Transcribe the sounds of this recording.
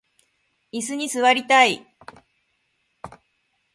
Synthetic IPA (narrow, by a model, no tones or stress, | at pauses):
is̬ɨɲ̟isɨβaɾʲit̪ai